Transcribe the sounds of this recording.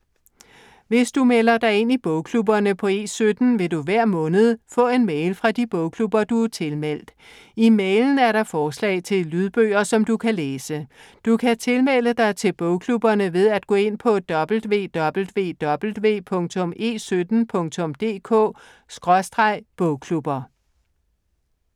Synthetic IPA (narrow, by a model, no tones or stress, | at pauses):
ʋe̝sd̥umelɐd̥ɑ̈ɪe̝nib̥ɔʊkʰlubɐnəpʰɒ̽e̝̰ːsød̥n̩ʋe̝d̥uʋæɐ̰mɔ̽ːnəð̞̩ˠfɔ̰̽ːe̝nmeɪlfʁɑ̈d̥ib̥ɔ̽ʊkʰlub̥ɐd̥uæɐt͡sʰe̝lmel̰d̥ | imeɪln̩æɐɾɑ̈fɒːslɛ̰ɪt͡sʰe̝llyð̞ˠb̥ø̰ːɐsɒ̽md̥ukʰæleːsə | d̥ukʰæt͡sʰe̝lmel̰əd̥ɑ̈ɪt͡sʰe̝lb̥ɔ̽ʊkʰlub̥ɐnəʋe̝ð̞ˠæd̥̚ɡ̥ɔ̽ːe̝n̰pʰɒ̽d̥ɒ̽b̥l̩dʋe̝̰ːd̥ɒ̽b̥l̩ʋe̝̰ːd̥ɒ̽b̥l̩dʋe̝̰ːpʰɔ̽ŋt͡sʰɔ̽mʔe̝̰ːsød̥n̩pʰɔ̽ŋt͡sʰɔ̽md̥e̝̰ːkʰɔ̰̽ː | sɡ̥ʁɒ̽sd̥ʁɑ̈ɪ̰b̥ɔʊkʰlub̥ɐ